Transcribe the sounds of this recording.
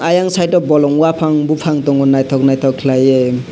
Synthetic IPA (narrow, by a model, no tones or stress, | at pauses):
ajaŋsajʈɔbɔlɔŋwapʰaŋbupʰaŋt̪ɔŋɡɔnajt̪ʰɔk̚najt̪ʰɔkʰlaje